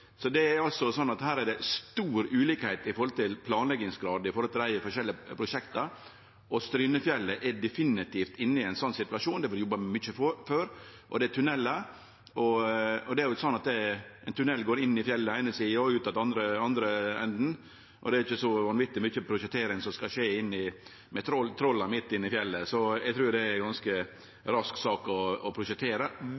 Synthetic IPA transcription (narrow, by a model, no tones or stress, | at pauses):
sɔd̪ɛæɾɑlsɔsɔnːɑt̪hæːɾæɖɛst̪uːɾʉːliːkhɛɪt̪ɪfɔɾhɔlt̪ʰɪlpʰlɑːnlɛɡɪŋsɡɾɑːd̪ɪfɔɾhɔlt̪ɪlæɪəfɔʂɛlːɪəpʰɾʊʂɛkt̪ɑ | ɔst̪ɾyːnəfjɛlːəʔɛɖɛfɪnːɪt̪ʰiːft̪ɪnːəɪɛɪnsɔnːsɪt̪ʉɑʂuːnd̪ɛfɔd̪jɔbɑmʏçəfføːɾʔɔd̪ɛt̪ʰʉnɛlːə | ɔɔd̪ɛæɾjʊɪsɔnːɑt̪d̪ɛɛɪnt̪ʰʉnɛlːɡoːɾɪnːɪfjɛlːəæɪnəsiːɔʉːt̪ɑt̪ɑnd̪ɾəɑnd̪ɾəɛ̰nd̪n̩ | ʔɔ̰d̪ɛæɾɪçːəsɔʋɑnʋɪt̪ːɪmʏçəpʰɾʊʃət̪ʰːeːɾɪŋsɔmskɑʂeːɪnːɪ | mɛt̪ʰɾɔlt̪ʰɾɔlːɑɾmɪt̪ːɪnːɪfjɛlːəsɔɛɡ̚t̪ʰɾʉːɾd̪ɛɛɡɑnskə | ɾɑsksɑːkɔɔpʰɾʊʂət̪ʰːeːɾə